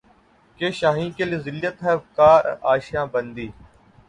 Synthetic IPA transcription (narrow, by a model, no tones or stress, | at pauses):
keːʃaːɦĩːkelezɪljət̪ɦɛkaːɾaːʃjãːbənd̪iː